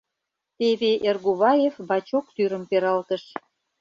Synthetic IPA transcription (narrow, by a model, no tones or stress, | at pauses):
t̪eβeʔerɣuβɑjefbɑt͡ɕokt̪yɾəmpeɾɑlt̪əʃ